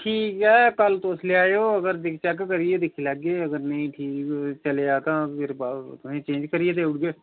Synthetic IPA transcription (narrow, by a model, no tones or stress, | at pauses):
ʈʰiːkɦɛːkəlt̪osleaːeoːəɡəɾd̪ɪkt͡ʃɛkkəɾɪeːd̪ɪkʰelaɡeːəɡəɾnəĩːʈʰiːkt͡ʃəleːaːt̪ãːpʰɪɾbaːt̪ʊsẽːt͡ʃẽːɲd͡ʒkəɾɪeːt̪eːʊʈɡeː